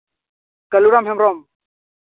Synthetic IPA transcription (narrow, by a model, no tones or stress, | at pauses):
kɐluɾamɦɛmɾɔm